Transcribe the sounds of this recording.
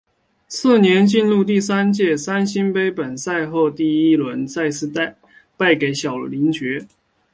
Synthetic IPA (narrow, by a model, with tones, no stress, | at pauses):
sɹ̩˥˩njɛ˧˥nt͡ɕi˥˧nlu˥˧t̪̬i˥˩sa˥nt͡ɕjɛ˥˩sa˥nɕi˥npe˥ɪpə˨˩nsa˥˧ɪxo˥˧ʊt̪i˥˩i˥lwə˧˦nt͡sa˥˧ɪsɹ̩˥˧t̪a˥˧ɪ | pa˥˩ɪke˨˥ɪɕjɑ˨˩ʊli˧˥ŋt͡ɕɥɛ˧˥